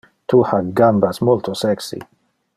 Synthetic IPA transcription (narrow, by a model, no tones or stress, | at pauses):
t̪ʰuhaɡambasmult̪ʰosɛksḭ